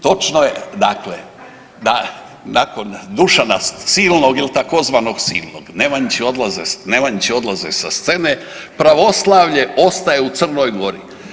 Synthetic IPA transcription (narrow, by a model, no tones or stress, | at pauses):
t̪o̞t͡ʃnojed̪aklḛ | d̪a | nako̞nd̪uʃanast̪siːlˠnoɡilit̪ako̞zʋaːno̞ɡsiːlˠnoɡnemaɲt͡ɕio̞d̪lˠazesnemaɲt͡ɕio̞d̪lˠazesast̪se̞ne | pɾaʋo̞slˠaʋʎe̞o̞st̪ajeut̪sər̩no̞jɡo̞ɾi